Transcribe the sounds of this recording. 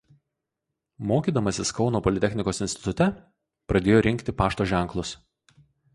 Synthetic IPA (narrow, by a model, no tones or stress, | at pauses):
moːkʲiːd̪ɐmɐsʲɪskɒʊnoːpɔlʲɪt̪ʲɛxʲnʲɪkoːsɪnʲsʲt̪ʲɪ̥t̪ʊt̪ʲɛ | pɾɐd̪ʲeːjoːɾʲɪŋʲkt̪ʲɪpɑːʃt̪oːʒʲɛˑŋˑklˠʊs